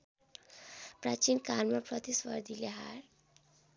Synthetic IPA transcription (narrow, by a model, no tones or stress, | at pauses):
prat͡ʃinkalmapɾʌt̪iswʌɾd̪ʱileɦaɾ